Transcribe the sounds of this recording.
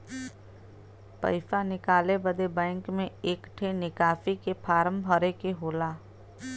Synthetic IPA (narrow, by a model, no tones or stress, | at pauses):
pɐ̰ɪsanɪkaːlebəd̪ebɛ̃ːŋkmẽeːkʈʰenɪkaːfikepʰaːɾə̃mbʱəɾekeɦoːlaː